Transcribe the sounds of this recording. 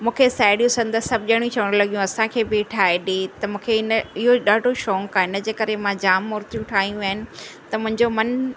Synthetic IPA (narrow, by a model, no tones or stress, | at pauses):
mũːkʰesaːɪɽijũsɐ̃nd̪əsɐbʱʄɐɽ̃ĩt͡ɕʰɐʋəɽ̃lɐɠijũɐsãkʰeːbɪʈʰaːeɗet̪ɐmũːkʰeɪnɪɦoɗaːɖʱoʃɔːŋkaɪnəd͡ʑeːkɐɾemãd͡ʑaːmːoːɾt̪ijũʈʰaːɦijũaːɦɪnɪ̆t̪ɐmʊ̃ɦɪ̃ɲd͡ʑomɐn